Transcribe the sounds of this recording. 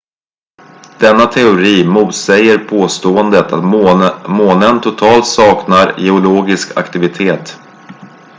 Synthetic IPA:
d̪̥ɛnːat̪ʰɛʊɾiːmuːt̪sɛjːəɾpʰoːst̪oːənd̪ət̪a̰t̪moːnənt̪ʰʊt̪ʰɑːlt̪sɑːknaɾjɛʊloːɡɪskʰa̰kt̪ɪvɪt̪ʰeːt̪

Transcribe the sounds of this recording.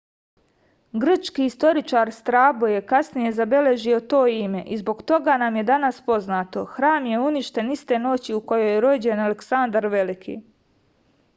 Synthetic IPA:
ɡr̩t͡ʃkiist̪o̞ɾit͡ʃaːɾst̪ɾaːboje̞kasnije̞zabe̞le̞ʒio̞t̪o̞ːime̞ʔizbo̞ɡt̪o̞ɡaːnamje̞d̪anaspo̞znaːt̪o̞xɾaːmje̞uniʃt̪e̞nist̪e̞no̞t͡ɕiuko̞jo̞jeɾo̞d͡ʑe̞naleksand̪aɾʋe̞likʰḭ

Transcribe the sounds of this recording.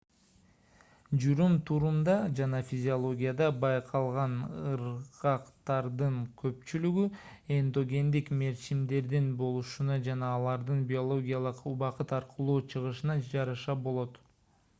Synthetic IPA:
d͡ʒuɾumt̪ʰuɾumd̪ɑd͡ʒɑnɑfʲizʲɪolˠo̞ɡʲijad̪ɑbɑjqʰɑlˠʁɑnɯɾʁɑqt̪ɑɾd̪ɯŋkʰø̞p̚t͡ʃylyɡy | e̞nd̪o̞ɡʲe̞nd̪ikme̞ɾt͡ʃimd̪e̞ɾd̪inbo̞lˠuʃunɑd͡ʒɑnɑːlˠɑɾd̪ɯnbʲio̞lˠo̞ɡʲijɑlˠɯqbɑqɯt̪ɑɾqɯlˠuːt͡ʃʰɯʁɯʃɯnɑd͡ʒɑɾɑʃɑbo̞lˠo̞t̪

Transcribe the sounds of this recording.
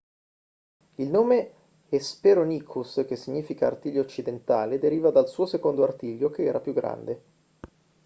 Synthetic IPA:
ilnoːme | espeɾoniːkʰusk̟esːiɲːiːfika̰ːrt̪iljoːt͡ʃːid̪ent̪aːled̪eɾiːvad̪alsuːosekond̪oart̪iːʎjok̟eɛːɾapjuɡɾa̰nd̪e

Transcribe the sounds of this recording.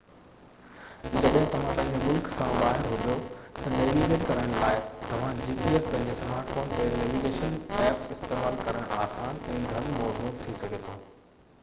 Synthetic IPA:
d͡ʑɐɗɦɪ̃t̪ɐʋ̤ãpɐ̃ɦɪ̃ɲd͡ʑomʊlksãʋaːɦɪɾɦʊd͡ʑot̪ɐneːʋiɡeːʈkɐɾəɽ̃laːɪt̪ɐʋ̤ãd͡ʑiːpiefpɐ̃ɦɪ̃ɲd͡ʑesmaːɾʈfoːnt̪eneːʋiɡeːʃənʈɛːksɪst̪eːmaːlkɐɾəɽ̃ʔaːsaːnɛ̃ːɡʱɐɽ̃mɔːzuːt̪ʰisɐɡʱet̪ʰoː

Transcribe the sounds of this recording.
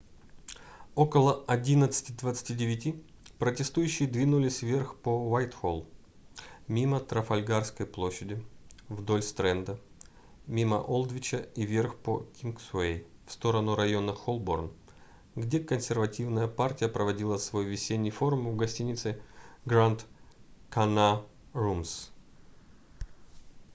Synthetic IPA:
o̞kəlˠəɐdʲinət̪sɨ̥tʲɪd̪vət̪sɨ̥tʲidʲɪvʲɪtʲipɾətʲɪst̪ujʉɕːɪjəd̪vʲinʊlʲɪsʲvʲerxpovajt̪xolˠ | mʲimət̪ɾəfɐlʲɡarskəjplˠo̞ɕːɪdʲɪvd̪o̞lʲst̪ɾɛnd̪ə | mʲimə̰ʔolˠd̪vʲɪt͡ɕəivʲe̞rxpo̰kʲinksʊejfst̪o̞ɾənʊɾɐjo̞nəxolˠborn | ɡdʲekənsʲɪrvɐtʲivnəjəpartʲɪjəpɾəvɐdʲilˠəsvo̞jvʲɪsʲenʲːɪjfo̞ɾʊmvɡɐsʲtʲinʲɪt̪sɨɡɾant̪kɐnarums

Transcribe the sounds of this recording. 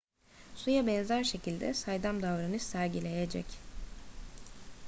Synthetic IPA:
sujabɛnzæɾʃe̞cʰilʲd̪ɛ̰sajd̪amd̪avɾanɯsæɾɟilʲe̞jed͡ʒɛ̰c

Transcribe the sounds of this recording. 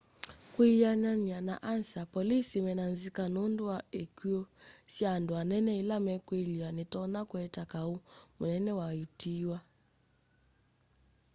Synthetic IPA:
kwijananiana̰ʔansapɔlisimɛnanzikanunduaekiɔsjanduanɛnɛilamɛkwelianitɔnakwɛtakaumunɛnɛwajutiwa

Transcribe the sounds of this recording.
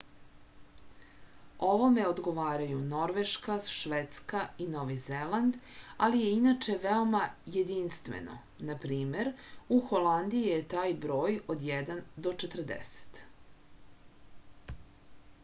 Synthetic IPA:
o̞ʋo̞me̞od̪ɡo̞ʋaːɾajuno̞ɾʋeʃkaʃʋet̪skaino̞ʋizeland̪alije̞inat͡ʃe̞ʋeo̞maje̞d̪inst̪ʋḛno̞̰ | napɾiːme̞ɾuxo̞land̪iijet̪aːjbɾo̞ːjod̪jɛd̪and̪o̞t͡ʃet̪r̩d̪ḛse̥t̪

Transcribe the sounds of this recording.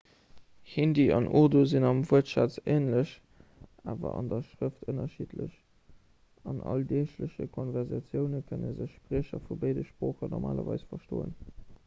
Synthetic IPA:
hindiɑnʔodozinɑmvuətʃaːt͡seːnləɕ | ʔaːvɐ̰ʔɑndɐʃʁəftʰənɐʃitʰlə̰ɕ | ɑnʔɑ̰ldeːʃləɕəkʰonvɛʁzɑt͡sjəʊnəkʰənəzəɕpʁiəɕɐfubəɪdəʃpʁoːχənɔʁmaːlɐvɑɪsfɐʃtoːə̰n

